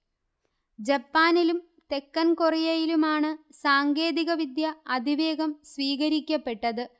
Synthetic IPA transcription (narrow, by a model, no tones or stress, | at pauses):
d͡ʑɐpːaːnilum | t̪e̞kːɐnkurɐjɐjilumaːɳɨsaːŋɡe̞ːðiɣɐʋid̪jɐɐd̪ʱiʋe̞ːɣɐmsʋiːɣɐɾikʲːɐpːe̞ʈːɐðɨ